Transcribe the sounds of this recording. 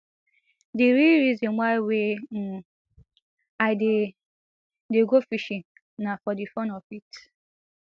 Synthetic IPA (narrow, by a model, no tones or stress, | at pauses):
diɾiɾizɔ̃nwaiwem̩ | ade | deɡofiʃĩŋ | nafɔdifɔ̃nɔfit